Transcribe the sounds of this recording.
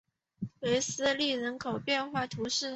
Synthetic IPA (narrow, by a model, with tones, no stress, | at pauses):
we˧˥ɪsɹ̩˥li˥˩ɻə˧˥nkʰo˨˩ʊpjɛ˥˧nxwa˥˩t̪ʰu˧˥ʂɻ̩˥˩